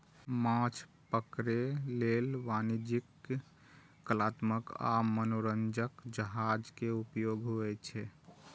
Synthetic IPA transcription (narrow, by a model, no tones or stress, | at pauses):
mãt͡ʃʰpəkɾelelʋanid͡ʒik | əlat̪məka̰mənoɾənd͡ʒəkd͡ʒəɦad͡ʒkeupjoɡʱɦoɛt͡ʃʰɛ